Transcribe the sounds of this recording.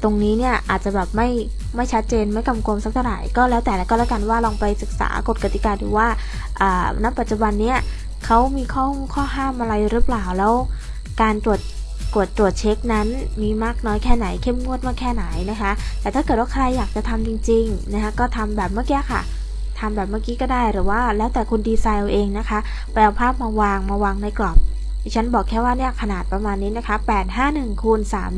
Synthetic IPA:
t̪o˧ŋniː˦˥ni˥˩ɐʔaː˨˩t̪̚t͡ɕa˨˩bɛː˨˩p̚ma˥˩j | ma˥˩jt͡ɕʰa˦˥t̪̚t͡ɕeː˧nma˥˩jka˧mko˧msa˦˥k̪̚ʰwɾa̰ː˨˩jkɔː˥˩lɛː˦˥wt̪ɛː˨˩la˧˩kɔː˥˩lɛː˦˥ka˧nwaː˥˩lɔː˧ŋpa˧jsɯ˨˩k̚sa̰ː˩˦ko˨˩t̪̚ka˧t̪i˨˩kaː˧ɾɯ̰ː˨˩˦waː˥˩ | ʔəː˨˩na˦˥pːa˨˩t̪̚t͡ɕu˨˧˩ba˧nːi˦˥ɐ | kʰa˦˥wmiː˧kʰɔː˥˩ŋkʰɔː˥˩ɦaː˥˩mʔa˧ɾa˧jɾɯː˦˥plaː˨˩wlɛː˦˥w | kaː˧nt̪u˨˩ət̪̚ː | u˨˩ət̪̚ːɾu˨˩ət̪̚t͡ɕʰe˦˥k̚na˦˥nmiː˧maː˥˩k̚nɔː˦˥jkʰɛː˥˩na˩˦jkʰe˥˩mŋu˥˩ət̪̚maː˥˩kʰːɛː˥˩na˩˦jna˦˥kʰa˦˥t̪ɛː˨˩t̪ʰaː˥˩kɤ˨˩t̚waː˥˩kʰɾa˧jːaː˨˩k̚t͡ɕa˨˩t̪ʰa˧mt͡ɕi˧ŋt͡ɕi˧ŋna˦˥kʰa˦˥kɔː˥˩t̪ʰa˧mbɛː˨˩p̚maː˥˩ki˦˥ɐ˨kʰa̰˥˩ | t̪ʰa˧mbɛː˨˩p̚maː˥˩kiː˦˥kɔː˥˩daː˥˩jɾɯː˩˦waː˥˩lɛː˦˥wt̪ɛː˨˩kʰu˧ndiː˧saː˧n˧ʔeː˧ŋna˦˥kʰa˦˥ʔ | pa˧ja˧pʰaː˥˩p̚maː˧waː˧ŋmaː˧waː˧ŋna˧˩jklɔ˨˩p̚ʰ | i˨˩t͡ɕʰa˦˥nbɔː˨˩kʰːɛː˥˩waː˥˩ni˥˩ɐkʰa˧naː˨˩t̪̚pɾa˧maː˧nːiː˦˥na˦˥kʰa˦˥pɛː˨˩t̪̚ɦaː˥˩nɯ˨˩ŋkʰu˧nsaː˩˦m

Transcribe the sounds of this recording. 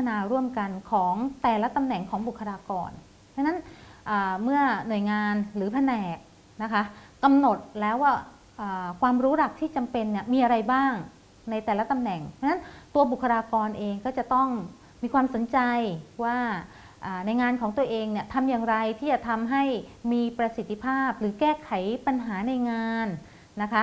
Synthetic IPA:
a˧naː˧ɾu˥˩əmka˧nkʰɔː˩˦ŋt̪ɛː˨˩la˦˥t̪a˧mnɛ˨˩ŋkʰɔː˩˦ŋbu˨˩kʰːa˧ɾaː˧kɔ̰ː˧nʰ | a˥ŋna˦˥nʔaː˨˩mɯ˥˩ɐnu˨˩əjŋaː˧nɾɯː˩˦pʰa˧nɛː˨˩k̚ | na˦˥kʰa˦˥ | ka˧mno˨˩t̪̚lɛː˦˥waː˥˩ | ʔaː˨˩kʰwaː˧mɾuː˦˥ɾa˨˩k̚t̪ʰiː˥˩t͡ɕa˧mpe˧nːi˥˩əmiː˧ʔa˧ɾa˧jbaː˥˩ŋ | na˧jt̪ɛː˨˩la˦˥t̪a˧mnɛ˨˩ŋpʰa˧na˦˥nt̪u˧ɐbu˨˩kʰːa˧ɾaː˧kɔː˧nʔeː˧ŋkɔː˥˩t͡ɕa˨˩t̪ɔ˥˩ŋ | miː˧kʰwaː˧mso˩˦nt͡ɕa˧jwaː˥˩ | ʔaː˨˩na˧jŋaː˧nkʰɔː˩˦ŋt̪u˧ɐʔeː˧ŋni˥˩ɐt̪ʰa˧mjaː˨˩ŋɾa˧jt̪ʰiː˥˩t͡ɕa˨˩t̪ʰa˧mɦa˥˩jmiː˧pɾa˧si˨˩t̪ʰːi˧pʰaː˥˩p̚ɾɯː˩˦kɛː˥˩kʰa˩˦jpa˧nɦaː˩˦na˧jŋaː˧n | na˦˥kʰa˦˥

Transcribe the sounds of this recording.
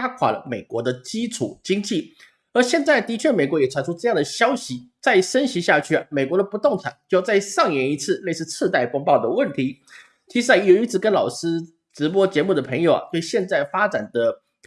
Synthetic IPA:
a˥kʰwa̰˨˩lə̰˧˦me˨˩ɪkwɔ˧˥d̪ə˧t͡ɕi˥ʈ͡ʂʰu˨˩˦t͡ɕi˥ŋt͡ɕi˥˩ | ə˞˧˥ɕjɛ˥˧nt͡sa˥˩ɪt̪i˧˥t͡ɕʰɥɛ˥˩me˨˩ɪkwɔ˧˥jɛ˨˩ʈ͡ʂʰa˧˥nʈ͡ʂʰu˥ʈ͡ʂɤ˥˧jɑ˥˩ŋd̪ə˩ɕjɑ˥ʊɕi˧˥t͡sa˥˩ɪʂə˥nɕi˧˥ɕja˥˧t͡ɕʰy˥˩a̰˩me˨˩ɪkwɔ˧˥d̪ə˧pu˧˥t̪ʊ˥˩ŋʈ͡ʂʰa˨˩˦nt͡ɕjo˥˧˥t͡sa˥˧ɪʂɑ˥˩ŋjɛ˧˥ni˧˥t͡sʰɹ̩˥˧le˥˧ɪsɹ̩˥˧t͡sʰɹ̩˥˧t̪a˥˩ɪpʊ˥ŋpɑ˥˩ʊd̪ə˩wə˥˩nt̪ʰi˧˥ | t͡ɕʰi˧˥ʂɻ̩˥a˧˩jo˨˩ʊi˧˥t͡sʰɹ̩˧˩kə˥nlɑ˨˩ʊʂɹ̩˥ | ʈ͡ʂɻ̩˧˥p̬wɔ˥t͡ɕjɛ˧˥mu˥˩d̪ə˩pʰɤ˧˥ŋjo˨˩ʊa̰˨˩t̪we˥˩ɪɕjɛ˥˧nt͡sa˥˩ɪfa˥ʈ͡ʂa˨˩nd̪ə˦

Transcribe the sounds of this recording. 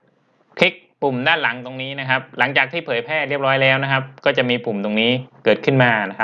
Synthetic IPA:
kʰli˦˥k̚pu˨˩mdaː˥˩nla˩˦ŋt̪o˧ŋniː˦˥na˦˥kʰa˦˥p̚la˩˦ŋt͡ɕaː˨˩k̚t̪ʰiː˥˩pʰɤː˨˩˦jpʰɛː˥˩t̪ɾi˥˩əp̚ɾɔː˦˥jlɛː˦˥wna˦˥kʰa˦˥p̚kɔː˥˩t͡ɕa˨˩ʔmiː˧pu˨˩mt̪o˧ŋniː˦˥kɤː˨˩t̪̚kʰɯ˥˩nmaː˧na˦˥kʰa˦˥

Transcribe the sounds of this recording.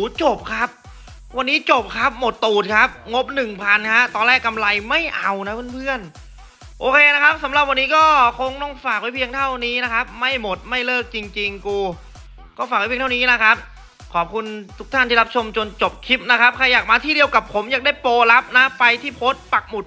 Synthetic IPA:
uː˨˦t͡ɕo˨˩p̚kʰa˦˥p̚ | wa˧nːiː˦˥t͡ɕo˨˩p̚kʰa˦˥p̚mo˨˩t̪ːuː˨˩t̪̚kʰa˦˥p̚ŋo˦˥p̚nɯ˨˩ŋpʰa˧nkʰa˦˥t̪ɔː˧nlɛː˥˩kːa˧mla˧jma˥˩jʔa˧wna˦˥pʰɯ˥˩˨npʰɯ˥˩ən | ʔoː˧kʰeː˧na˦˥kʰa˦˥p̚sa˩˦mla˨˩p̚wa˧nːiː˦˥kɔː˥˩kʰo˧ŋt̪ɔː˥˩ŋfaː˨˩k̚wa˦˥jpʰi˧əŋt̪ʰa˥˩wniː˦˥na˦˥kʰa˦˥p̚ma˥˩jmo˨˩t̪̚ma˥˩jlɤː˥˩k̚t͡ɕi˧ŋt͡ɕi˧ŋkuː˧ | kɔː˥˩faː˨˩k̚wa˦pʰi˧t̪ʰːniː˦˥na˦˥kʰa˦˥p̚ | kʰɔː˨˩p̚kʰu˧nt̪ʰu˦˥kt̪ʰa˥˩nt̪i˥˩a˦˥p̚t͡ɕʰo˧mt͡ɕo˧nt͡ɕo˨˩p̚kʰi˦˥p̚na˦˥kʰa˦˥p̚kʰa˧jːaː˨˩k̚maː˧t̪ʰiː˥˩di˧əwka˨˩pʰo˩˦mjaː˨˩k̚da˥˩jpoː˧la˦˥p̚naː˦˥a˧jt̪ʰiː˥˩pʰoː˦˥t̪̚pa˨˩k̚mu˨˩t̪̚

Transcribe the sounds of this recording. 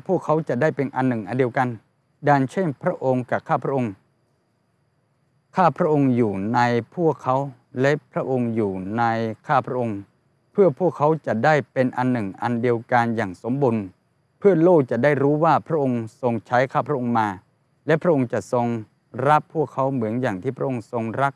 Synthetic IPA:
pʰu˥˩əkʰːa˦˥wt͡ɕa˨˩daː˥˩jpe˧nʔa˧nːɯ˨˩ŋʔa˧ndi˧wka˧n | daː˧˩nt͡ɕʰe˥˩npʰɾa˦˥ʔo˧ŋka˨˩kʰːaː˥˩pʰɾa˥ʔo˧ŋ | kʰaː˥˩pʰɾa˦˥ʔo˧ŋjuː˨˩na˧jpʰu˥˩əkʰːa˦˥w | lɛ˦˥pʰɾa˦˥ʔo˧ŋjuː˨˩na˧jkʰaː˥˩pʰɾa˦˥ʔo˧ŋ | pʰɯ˥˩əpʰu˥˩əkʰːa˦˥wt͡ɕa˨˩daː˥˩jpe˧nʔa˧nːɯ˨˩ŋʔa˧ndi˧əwkaː˧njaː˨˩ŋso˩˦mbu˧n | pʰɯ˥˩ɐloː˥˩k̚t͡ɕa˨˩daː˥˩jɾuː˦˥waː˥˩pʰɾa˦˥ʔo˧ŋso˧ŋt͡ɕʰa˦˥jkʰaː˥˩pʰɾa˥ʔo˧ŋmaː˧ | lɛ˦˥ʔpʰɾa˥ʔo˧ŋt͡ɕa˨˩ʔso˧ŋ | ɾa˦˥pʰːuː˥˩əkʰːa˦˥wmɯ˩˦ənjaː˨˩ŋt̪ʰiː˥˩pʰɾa˦˥ʔo˧ŋso˧ŋɾa˦˥k̚

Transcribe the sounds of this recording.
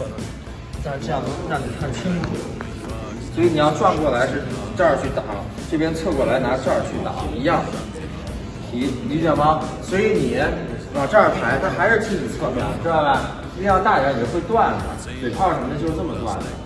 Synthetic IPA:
a˥˩˨ɑ˥˧ʊ˥na˥˩ni˨˩t̪ʰa˥˩t͡ɕʰi˥ŋkʰṵ˨˩ | swɔ˧˥i˧˥ni˨˩jɑ˥˧ʊʈ͡ʂwa˥˧nkwɔ˥˩la˧˥ɪʂɻ̩˥˧ʈ͡ʂə˥˩t͡ɕʰy˥˩t̪ɑ˨˩ʊlə̰˦ | ʈ͡ʂɤ˥˩pjɛ˥nt͡sʰɤ˥˧kwɔ˥˩la˧˥ɪna˧˥ʈ͡ʂa˥˧˩t͡ɕʰy˥˩t̪ɑ̰˨˩˦ʊi˧˥jɑ˥˩ŋ | i˧˥ni˧˥t͡ɕɛ˨˩mɐ˧swɔ˧˥i˧˥ni˨˩˥ | kɑ˨˩ʊʈ͡ʂa˥˩pʰa˧˥ɪt̪ʰa˥xa˧˥ɪʂɻ̩˥˧˩t͡ɕʰi˥˩ʈ͡ʂ̩˨˩t͡sʰɤ˥˧mjɑ̰˥˩ʊʈ͡ʂa˥˧ɪla˧˩ | i˥jɑ˥˧t̪a˥˩t͡ɕa˧˥jɛ˨˩xwe˥˧ɪt̪wa˥˩nə̰˩ | twe˥˩ɪpʰɑ˥˩ʊʂə˧˥mə˧d̪ə˧t͡ɕjo˥˧ʂ̩˧˥ə˥˩mə˨˩t̪wa̰˥˩nə̰˩

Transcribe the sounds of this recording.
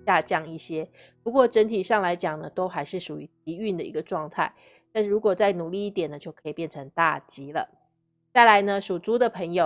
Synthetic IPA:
ja˥˧t͡ɕjɑ˥˧ŋi˥˩ɕjɛ˥ | pu˧˥kwɔ˥˩ʈ͡ʂə˧˥nt̪ʰi˨˩ʂɑ˥˩ŋla˧˥ɪt͡ɕjɑ˨˩ŋnə˦t̪o˥ʊxa˧˥ɪʂɻ̩˥˩ʂu˨˩y˧˥t̪i˧˥y˥˩nd̪ə˩ḭ˧˥ɡə˧ʈ͡ʂwɑ˥˧ŋt̪ʰa˥˩ɪ | t̪nʂ̩˥˩ɻu˧˥kwɔ˨˩t͡sa˥˩ɪnu˨˩li˥˧i˥˩t̪jɛ˨˩nə˦t͡ɕjo˥˩ʊkʰɤ̥˧˥i˨˩pjɛ˥˩nʈ͡ʂʰə˧˥ŋt̪a̰˥˩t͡ɕi˧˥lə̰˨ | t͡sa˥˩ɪla˧˥˦ɪnə˧ʂu˨˩t͡su˥d̪ə˨pʰə˧˥ŋjo˨˩

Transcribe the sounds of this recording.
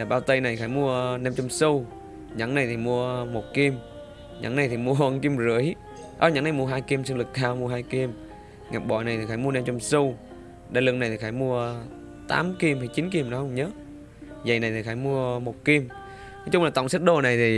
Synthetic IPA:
a˨˩ɓaː˧wt̪ə˧jna˨˩jxaː˧˦jmu˧ənɛ˧mt͡ɕɔ˧wŋ͡msu˧w | ɲa̰˧˥˦ŋna˨˩jt̪ʰi˨˩mu˧əmo˨˩t̚ki˧m | ɲa̰˧˥ŋna˨˩jt̪ʰi˨˩mu˧əʔə˧nki˧mzɨ˧˩əj | ʔə̰˧˦ɲa̰˨˧˦ŋna˨˩jmu˧ə˧ɦaː˧jki˧msɨ˧ŋlɨ˨˩k̚t̪ʰaː˧wmu˧əɦaː˧jki˧m | ŋa˨˩k̚ɓɔ̰˧˩˨jna˨˩jt̪ʰi˨˩xaː˧˦mu˧ə˧na˧mt͡ɕɔ˧ŋ͡msu˧ | ɗa˧lɨ˧˨ŋna˨˩t̪i˨˩xaː˧˦jmu˧ə | t̪a̰ː˨˦mki˧mhə˨˩jt͡ɕi˨˦nki˧mɗɔ˨˦hə˧wŋ͡mɲəː˨˦˥ | zə˨˩jna˨˩jt̪ʰi˨˩xaː˧˦jmu˧əmo˨˩t̚ki˧m | nɔ˨˦t͡ɕʊ˧ŋ͡mlaː˨˩t̪ɔ̰˧˨ŋ͡msa˦˥t̚ɗo˧˩na˨˩jt̪ʰi˨˩

